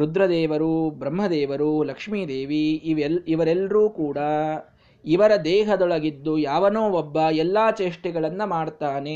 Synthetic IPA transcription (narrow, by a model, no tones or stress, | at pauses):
ɾud̪ɾɐd̪ɛːʋɐɾubɾɐmɦɐd̪ɛːʋɐɾulɐkʂmiːd̪eːʋiʋːʋɐɾɛlːɾuːkuːɽɐ | iʋɐɾɐd̪ɛːɦɐd̪ɔɭɐɡid̪ːujaːʋɐnoːɔbːɐɛlːaːt͡ʃeːʂʈɛɡɐɭɐnːɐmaːɽt̪aːne̞